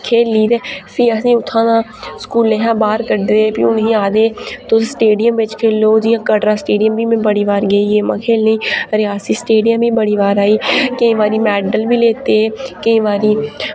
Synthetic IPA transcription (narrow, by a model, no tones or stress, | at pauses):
kʰeːliːd̪eːsʰiːəsĩːʊt̪ʰːãːnãːskuːlẽːɦãːbaːɾkəɾd̪eːpḭːʊnɦĩːaːd̪eːt̪oːsʈeːɖijəmʋɪt͡ʃkʰeːloːd͡ʒiːãːkəɽɾãːsʈeːɖɪjəmbiːmẽbəɽiːʋaːɾɡəiːeːmã̰ːkʰeːlneĩːɾɪaːsiːsʈeːɖijə̃miːbəɽiːʋaːɾaːiːkəĩːʋaːɾiːmɛːɖəlbiːleːt̪eːkəĩːʋaːɾiː